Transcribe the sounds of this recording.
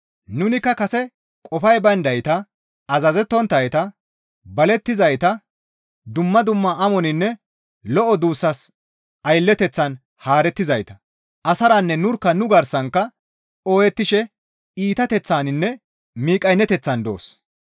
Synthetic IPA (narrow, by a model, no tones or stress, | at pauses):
nʊnɪkːɐkɐsɛ | kʼɔfɐjbɐnd̪ɐjt̪ɐ | ɐzɐzɛt̪ːɔnt̪ːɐjt̪ɐ | bɐlɛt̪ːɪzɐjt̪ɐ | d̪ʊmːɐd̪ʊmːaɐmɔnɪnːɛ | lɔʔɔd̪uːsːɐs | ɐjlːɛt̪ɛt͡sːɐn | haːɾɛt̪ːɪzɐjt̪ɐ̥ | ʔɐsɐɾɐnːɛnʊɾkːɐnʊɡɐɾsɐŋkːɐ | oːjɛt̪ːɪʃɛ | iːt̪ɐt̪ɛt͡sːaːnɪnːɛ | miːkʼɐjnːɛt̪ɛt͡sːɐnd̪o̰ːs